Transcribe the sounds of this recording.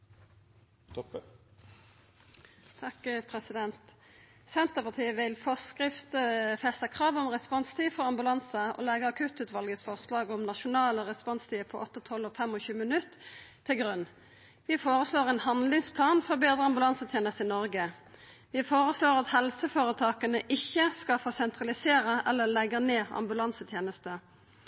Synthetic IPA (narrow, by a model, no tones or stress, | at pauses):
t̪ʰɑkpʰʁɛsɪd̪ɛnt̪ | sɛnt̪əpɑʁt̪ʰiːəʋɪlfɔskʁɪft̪əfɛst̪əkʰʁɑːʋɔmʁɛspɔnst̪ʰiːfɔʁɑmbʉlɑnsəʔɔ̰ːlɛɡəɑkʰʉt̪ʉːt̪ʋɑlɡəsfɔʁslɑːɡɔmnɑʃʊnɑːləʁɛspɔnst̪ʰiːpʰɔʔɔt̪ːət̪ʰɔlɔːfɛmɔçʉːəmənʉt̪ʰː | ɪɡɾʉn | ʋɪfoːʁəsloːʁɛnhɑnlɪŋspʰlɑːnfɔʁbeːd̪ʁəɑmbʉlɑnsət̪ʰjeːnəst̪əɪnɔʁɡə | ʋɪfoːʁəsloːʁɑt̪hɛlsəfoːɾət̪ʰɑːkənəʔɪçːəskɑfoːsɛnt̪ʁɑlɪseːʁəʔɛlːəlɛɡəneːɑ̰mbʉlɑnsət̪ʰjeːnəst̪ə